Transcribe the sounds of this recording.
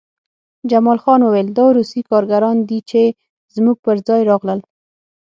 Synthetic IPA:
d͡ʒamɑlxɑnwəweld̪ɑɾusikɑɾɡaɾɑnd̪it͡ʃe | z̥muɡ̚pəɾd͡zɑjɾɑɣləl

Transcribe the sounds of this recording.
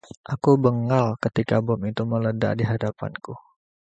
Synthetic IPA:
ʔakubəŋalkət̪ikabɔmit̪umələda̰ʔdiɦadapa̰nku

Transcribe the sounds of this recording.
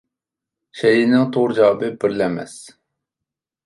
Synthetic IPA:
ʃɛjinɪŋt̪ʰoʁɾɨd͡ʒɑːbɨbɪɾlɛmɛ̰s

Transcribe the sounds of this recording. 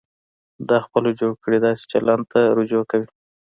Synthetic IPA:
d̪ɑxpəlod͡ʒoɽkəɽed̪ɑse̥t͡ʃalɑnt̪aɾod͡ʒokawi

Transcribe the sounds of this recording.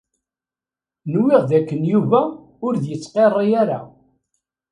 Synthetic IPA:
nwɪʁðækːənjuvæ | ʊɾðjət͡sːqerˤːijaɾa̰

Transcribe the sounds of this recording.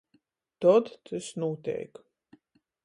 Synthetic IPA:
t̪ɔd̪t̪ʰɨsnuɔt̪ʲɛ̰jk

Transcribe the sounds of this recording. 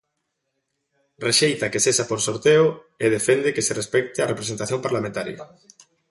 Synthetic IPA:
reʃejt̪akesesapoɾsoɾt̪eʊ | eðefend̪ɪkeserespɛk̚t̪ɪarepɾesent̪aθjompaɾlamẽnt̪aɾjɐ̰

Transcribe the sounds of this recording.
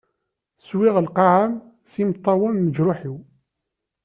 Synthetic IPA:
swɪʁəlqɑʕam | simt̪ˤːɑwəmːəd͡ʒɾʊħiw

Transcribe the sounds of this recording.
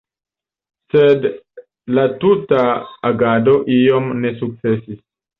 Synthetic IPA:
sed | latutaːɡado̞ʔio̞mne̞suk̚t͡se̞sis

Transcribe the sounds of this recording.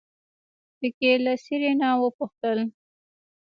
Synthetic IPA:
pəkelasiɾenawəpʊxt̪əl

